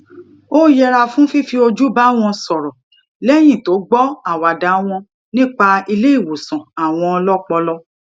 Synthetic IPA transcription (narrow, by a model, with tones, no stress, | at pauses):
o˦jɛ˧ɾa˧fũ˦fi˦fi˧o˧d͡ʒu˦ba˦w̃ɔ̃˧sɔ˨ɾɔ˨ | lɛ˦˨j̃ĩ˦˨to˨˦ɡ͡bɔ˦a˨wa˨da˨˦w̃ɔ̃˧ | nĩ˦k͡pa˧i˧le˦i˦˨wo˨sã˨a˨w̃ɔ̃˧ɔ˧lɔ˦k͡pɔ˧lɔ˦